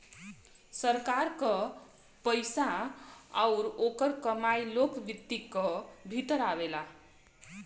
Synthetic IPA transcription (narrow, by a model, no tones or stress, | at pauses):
səɾkaɾkʌ | pəjsa | awɾokʌɾkəmajlokbit̪ːikʌbʱit̪əɾaβela